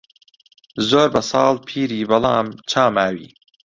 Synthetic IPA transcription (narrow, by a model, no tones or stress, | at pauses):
zoːɾbɐsɑːlpʰiːɾiːbɐlɑːmt͡ʃʰaːmaːwḭː